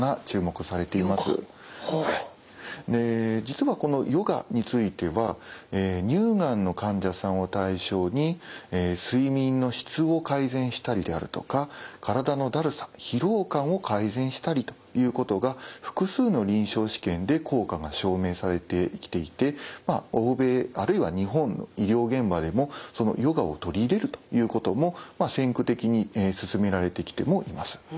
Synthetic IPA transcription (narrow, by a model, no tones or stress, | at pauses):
at͡ɕɨːmo̞kɯ̟saɾe̞t̪e̞imasɨ̰ | hai | d̪e̞d͡ʑit͡sɨβako̞no̞jo̞ɡa̰ɲ̟it͡sɨit̪e̞βaeːɲ̟ɨːɡãnːo̞kãɲ̟d͡ʑasãɰ̃ot̪aiɕo̞ːɲ̟ieːsɨimʲĩnːo̞ɕi̥t͡sɨo̞kaizẽ̞ɰ̃ɕi̥t̪aɾʲid̪e̞a̰ɾɯ̟t̪o̞kakʰaɾad̪ano̞d̪aɾɯ̟sḁçiɾo̞ːkãɰ̃o̞kʰaizẽɰ̃ɕi̥t̪aɾʲit̪ojɯ̟ːko̞t̪o̞ɡaɸɯ̟̥kɯ̟sɨːno̞ɾʲĩɰ̃ɕo̞ːɕi̥kẽ̞nd̪e̞kʰo̞ːkaŋaɕo̞ːme̞ːsaɾe̞t̪e̞kʲi̥t̪e̞it̪e̞maoːbe̞ːaɾɯ̟iβaɲ̟iɦõ̞nːo̰iɾʲo̞ːɡẽ̞mbad̪e̞mo̞so̞no̞̰jo̞ɡao̞t̪o̞ɾʲiːɾe̞ɾɯ̟t̪o̞̥jɯ̟ːko̞t̪o̞mo̞masẽ̞ŋkɯ̟t̪e̞kʲiɲ̟iesɨsɨme̞ɾaɾe̞t̪e̞kʲi̥t̪e̞mo̞ʔimasɨ̥